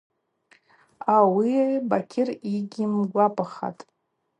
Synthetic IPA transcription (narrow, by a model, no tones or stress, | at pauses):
awibakʲʰɪriɡʲimɡʷapʼaχa̰tʼ